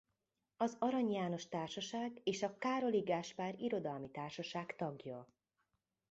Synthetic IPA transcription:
ɒzɒɾɒɲjaːno̞ʃt̪aːrʃɒʃaːɡeːʃɒkaːɾo̞liɡaːʃpaːɾiɾo̞d̪ɒlmit̪aːrʃɒʃaːkt̪ɒɡjɒ

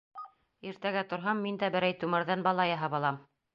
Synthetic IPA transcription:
iɾt̪æɡæt̪ŏɾɦɑmːind̪æbɘ̆ɾæjt̪umɤ̆ɾðɑnbɑlˠɑjɑɦɑβɑlˠɑm

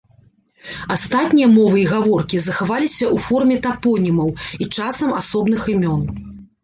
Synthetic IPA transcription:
ast̪at̪ʲnʲijɐmɔvɨiɣavɔrkʲizɐxavalʲisʲɐʔufɔrmʲɛt̪apɔnʲimɐwit͡ʂasɐmasɔbn̪ɨxɨmʲɔn

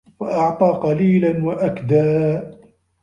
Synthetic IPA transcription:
faʔɑʕt̪ˤɑːqɑliːlanwaʔakd̪aː

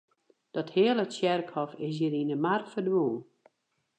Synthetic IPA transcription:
d̥ɔthɪəlˠəsjɛrkhɔfɪs̬jəɾindəmarfərdwulˠ

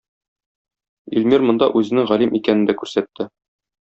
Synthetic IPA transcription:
ilmiɾmŏnd̪ɑʔʉzɘ̆nɘŋʁɒlimʔikænɘ̆nd̪ækʉɾsæt̪ːɘ

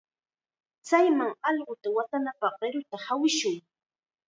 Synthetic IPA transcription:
t͡sajmaŋɑʎɢʊt̪awat̪anapɑχɢeɾʊt̪ahawɪʃʊŋ

